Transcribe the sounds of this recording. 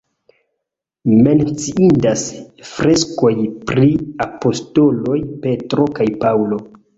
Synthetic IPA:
me̞nt͡siindasfɾesko̞jpɾiapo̞sto̞lo̞jpe̞tɾo̞kajpawlo̞

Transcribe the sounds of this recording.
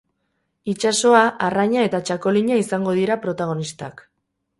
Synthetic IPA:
it͡ʃaso̞aʔaraɲae̞t̪at͡ʃako̞liɲaisaŋɡo̞ð̞iɾapɾo̞t̪aɣ̞o̞nist̪a̰k

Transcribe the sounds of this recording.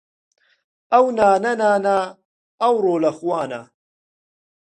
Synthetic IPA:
ʔawnaːnanaːnaː | ʔawɾˤoːlaxwaːna̰ː

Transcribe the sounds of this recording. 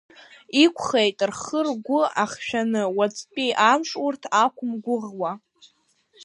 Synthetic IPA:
ikʷʰχejtʼrχərɡʷʊaχʃᶣanɨwat͡sʼpʼiʔamʂʼurtʰakʷʰʊmɡʷʊʁwa

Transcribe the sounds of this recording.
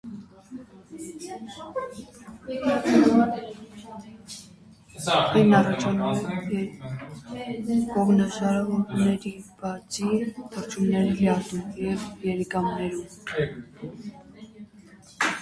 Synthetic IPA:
ɛjnɑrɑt͡ʃʰɑnuɛ | kɔʁnəʒɑɾɑvɔɾunɛɾib̥ɑt͡sʰit̪ʰəɾt͡ʃʰumnɛɾilɛɑt̪umjɛvjɛɾikɑmnɛɾum

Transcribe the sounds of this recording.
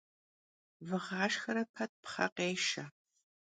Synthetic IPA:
vɨʁɑːʂxɐɾɐpʰɐt̚pχɐ̰qeːʃɐ

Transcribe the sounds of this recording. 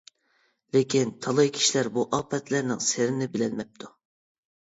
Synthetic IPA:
lekʲint̪ʰɑlˠɑjkʲʰi̥ʃilæɾbuʔɑpʰɛt̪læɾnɪ̰ŋseɾɪnɪbɪlɛlmɛp̚t̪ʰu

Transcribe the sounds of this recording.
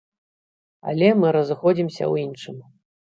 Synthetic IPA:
ɐ̰lʲɛmɨɾɐzɨxɔd͡zʲimsʲɐ̰winʂɨm

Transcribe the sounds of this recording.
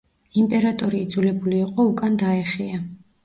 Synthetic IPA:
impʼɛɾat̪ʼɔɾiːd̪zulɛbuliːqʼɔukʼand̪aɛχia

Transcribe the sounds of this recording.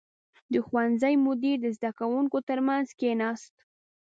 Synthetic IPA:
d̪əxwanzəjmʊd̪iɾd̪əzd̪akawuŋkot̪əɾmanzkenɑst̪

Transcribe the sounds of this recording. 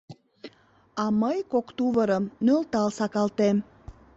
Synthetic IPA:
ɑməjkokt̪uβəɾəmnølt̪ɑlsɑkɑlt̪em

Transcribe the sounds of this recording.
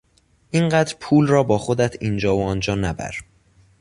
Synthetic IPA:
ʔiɴɢæːd̪ɾpʰuːlɾɒːbɒːxod̪æt̪ʰiːnd͡ʒɒːoɒːnd͡ʒɒːnæbæ̰ɾ

